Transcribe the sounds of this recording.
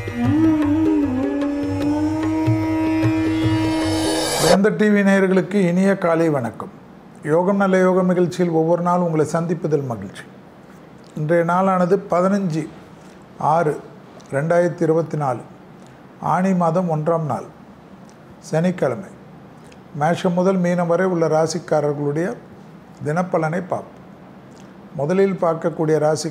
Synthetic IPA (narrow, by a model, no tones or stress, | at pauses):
ɐɐnd̪ɐʈːiːʋinɛjɐɾɣɐɭɯkːɯɪnɪjɐkaːliɪʋɐɳɐkːɐm | joːɣɐmnɐlːɐjoːɣɐmɪɣɐɭt͡ʃːɪjɪlɔʋːɔɾɯnaːlʊŋɡɐɭɐɪsɐnd̪ɪpːɐðɐlmɐɣɪɭt͡ʃi̥ | ɪndrɐjɐnaːlaːnɐðɯpɐðɪnɐɲd͡ʒi | aːrɯ | ɾɛɳɖaːjɪɾɐt̪ːɯɪɾɯbɐt̪ːinaːl | a̰ːɳɪmaːðɐmɔndraːmna̰ːl | sɛnɪkːɐɭɐmɐɪ | meːʂɐmːʊðɐlmiːnɐʋɐɾɐɪʊɭːɐɾaːsɪkːaːɾɐɾɣɐɭɯɽɐjɐ | d̪ɪnɐpːɐɭɐnɐɪpːa̰ːpɯ̥ | mʊðɐlɪlpaːɾkɐkːuːɽɪjɐɾaːsɪ